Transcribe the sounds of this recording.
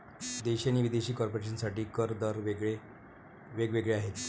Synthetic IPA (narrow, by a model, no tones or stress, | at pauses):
d̪eɕañiːʋid̪eɕiːkɔɾpoɾeɕənsaʈiːkəɾd̪əɾʋeɡɭe | ʋeɡʋeɡɭeaɦet̪